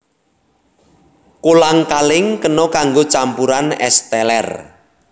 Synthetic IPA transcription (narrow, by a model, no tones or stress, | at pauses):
kolaŋkalɪŋkənɔkaŋɡot͡ʃampuɾanɛ̰st̪ɛlɛ̰r